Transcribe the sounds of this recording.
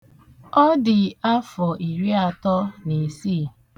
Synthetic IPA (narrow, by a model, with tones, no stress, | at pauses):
ɔ˦dɪ˨a˦fɔ˨ʔi˨ɾi˦a˨tɔ˦ne˨siː˦˨